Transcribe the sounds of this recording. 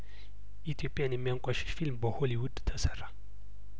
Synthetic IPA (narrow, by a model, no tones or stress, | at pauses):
it̪ʰiopʼianimiaŋkʷʼaʃi̥ʃfilmbɔholiwudt̪ʰasaɾa